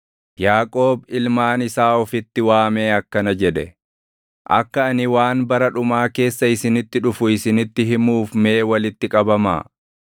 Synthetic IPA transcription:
jaːkʼo̞ːbɪlmaːnɪsaːɔfɪt̪ːɪwaːme̞ːɐkːɐnɐd͡ʒɛᶑɛ̰ | ʔɐ̰kːɐːnɪwaːnbɐɾɐᶑʊmaːke̞ːsːɐɪsɪnɪt̪ːɪᶑʊfʊɪsɪnɪt̪ːɪɦɪmuːfme̞ːwɐlɪt̪ːɪkʼɐbɐma̰ː

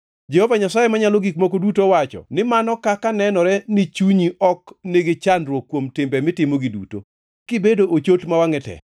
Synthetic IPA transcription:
d͡ʒɛhɔvaɲasajemaɲalɔɡikmɔkodutowat͡ʃɔ̰nɪmanɔkakanɛnɔɾɛnɪt͡ʃuɲiʔɔkneɡet͡ʃanɾwokːwomtɪmbɛmɪtɪmoɡidṵto̰ | kɪbedoʔot͡ʃotmawaŋɛtɛ̰

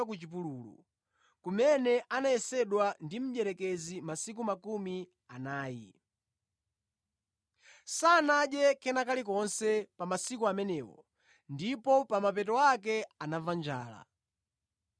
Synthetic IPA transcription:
ak̬ut͡ʃip̬uluːlṵ | kumɛnɛʔanaɛsɛɗwandim̩ʄɛɾɛkɛzimasik̬umakumi | anaːjḭ | saːnaʄɛkʰɛnakalik̬ɔnsɛpamasikuamɛnɛːwɔ̰ | ndipɔpamapɛtɔakɛanavand͡ʒa̰ːla̰

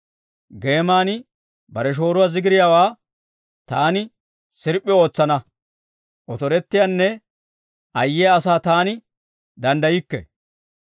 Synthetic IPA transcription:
ɡe̞ːmaːnɪ | bɐɾɛʃ̬o̞ːɾʊwaːzɪɡɪɾɪjaːwaː | t̪aːnɪ | sɪɾpʼːɪo̞ːt͡sːɐnɐ | ʔɔt̪ɔɾɛt̪ːɪjanːɛ | ʔɐjːɛjaːsaːt̪aːnɪ | d̪ɐnd̪ɐjɪkːɛ̰

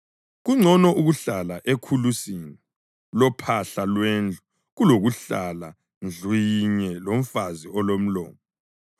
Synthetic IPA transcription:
ɣuŋ͡ǀʱɔnɔʔuɣuɬalaʔekʰulusini | lɔpʰaɬalwend͡ɮʱu | ɣuloɣuɬala | nd͡ɮʱwiɲɛlom̩faziɔlom̩lɔːmɔ

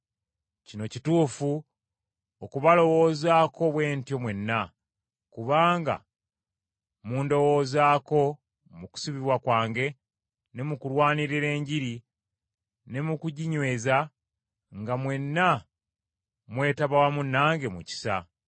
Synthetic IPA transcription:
cino̞cituːfu | okuβalo̞wo̞ːzaːkʰo̞βwe̞ːntjo̞mwe̞nːa | kuβaːŋɡa̰ | muːndo̞wo̞ːzaːko̞ | muku̥siβiβwakwaːŋɡe̞ | ne̞mukulwaːniɾiɾe̞ːɲɟiɾi | ne̞mukuɟiɲwe̞ːza | ŋɡamwe̞nːa | mwe̞ːtaβawamunːaːŋɡe̞mṵci̥sa̰

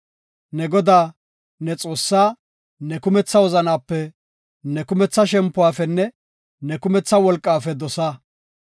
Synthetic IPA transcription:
nɛɡɔd̪aː | nɛt͡sʼo̞ːsːaː | nɛkʊmɛt͡sːɐwɔzɐnaːpːɛ | nɛkʊmɛt͡sːɐʃɛmpːʊwaːfɛnːɛ | nɛkʊmɛt͡sːɐwɔlkʼːaːfɛd̪ɔsaː

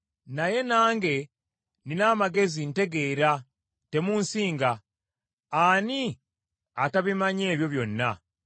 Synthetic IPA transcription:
naje̞naːŋɡe̞ | ninaːmaɡe̞zinte̞ɡe̞ːɾa | te̞muːnsiːŋɡa | aːni | ataβimaɲeːβjo̞βjo̞nːa̰

